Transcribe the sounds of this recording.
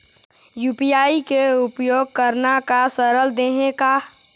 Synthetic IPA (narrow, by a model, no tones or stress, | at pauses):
juːpijaːikeʊpjoːɡ̚kəɾnakasəɾəld̪eɦekaː